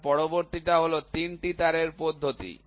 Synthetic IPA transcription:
pɔɽoboɾt̪iʈaɦolot̪inʈit̪aɾeɾpod̪ʱːot̪ḭ

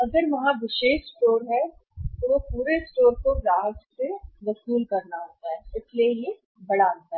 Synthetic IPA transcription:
ɐɡəɾʋɐɦãʋɪʃeːʃsʈoːɾɦɛt̪oʋopuːɾesʈoːɾkobɾaːɦd͡ʒseʋɐsuːlkɐɾnaɦoːt̪aɦɛɪsleje | bɐɽaːlt̪aɦɛ

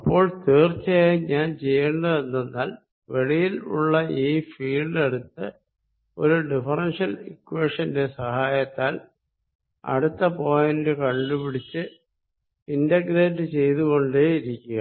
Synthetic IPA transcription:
ɐpːo̞ːɭt̪eːrt͡ɕːɐaiɲaːnt͡ɕe̞jːeɳɖɐðenːenːaːl | ʋeɽijilṵɭːɐʔiːfiːɭɖɐɽut̪ːɨ | o̞ɾuɖifɐrɐnʂɐlikːuweːʂɐnde̞sɐhaːjɐt̪ːaːl | ɐ̰ɽut̪ːɐpo̞ːjɐndɨkɐɳɖupiɽit͡ɕːɨ | indɐɡɾeːnɨt͡ɕe̞jt̪uɣo̞ɳɖeiɾikʲːuɣɐ

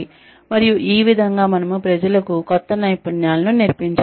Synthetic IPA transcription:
mɐɾijuʔiːʋid̪ʱɐŋɡaːmɐnɐmupɾɐd͡ʒɐlɐkukɔt̪ːɐnɐjpɐɳjaːlɐnuniɾpiɲt͡ʃ

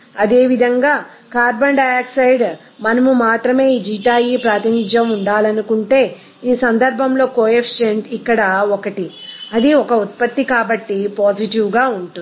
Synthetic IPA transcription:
ɐd̪e̞ːʋid̪ʱɐŋɡaː | kaːɾbɐɳɖɐaːksɐjɖ | mɐnɐmumaːt̪ɾɐme̞ːiːd͡ʒiːʈaːjiːpɾaːt̪inid͡ʒjɐmuɳɖaːlɐnukuɳʈe̞ː | iːsɐnd̪ɐɾbʱɐmlo̞ːkoːept͡ʃeɳʈikːɐɽɐɔkɐʈi | ɐd̪iɔkɐut̪̚pɐt̪ːikaːbɐʈːipoːd͡ʒiʈiwɡaːuɳʈu

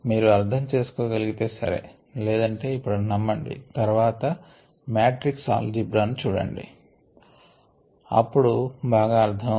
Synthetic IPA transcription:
miːɾuɐɾd̪ʰʱɐmt͡ʃe̞ːsu̥koːɡɐliɡit̪e̞ːsɐ̰ɾḛː | lɛːd̪ɐɳʈe̞ːipːuɽunɐmːɐɳɖḭt̪ɐɾuʋaːt̪ɐ | mjaːʈɾiksa̰ːld͡ʒibɾaːnut͡ʃuːɽɐ̰ɳɖḭ | ɐ̰pːuɽubaːɡaːɐɾt̪ʰːɐm

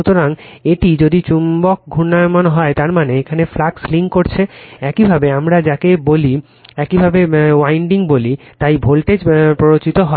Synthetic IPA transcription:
ut̪oɾaŋeʈid͡ʑod̪it͡ɕumbok̚ɡʱunamanɦɔet̪aɾmaneekʰaneflaksliŋkoɾt͡ɕʰeɛkibʱabeamɾad͡ʑakeboli | ɛkibʱabewajɳɖiŋbolit̪ajbʱolʈed͡ʑpɾoɾot͡ɕit̪oɦɔ

